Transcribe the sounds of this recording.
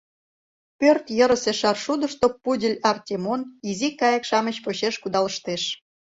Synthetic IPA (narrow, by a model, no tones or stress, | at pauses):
pørt̪jə̆ɾəseʃɑrʃud̪ə̆ʃt̪opudʲəlʲɑrtʲemonizikɑjə̆kʃɑmə̆t͡ɕpoɕeʃkud̪ɑlə̆ʃt̪eʃ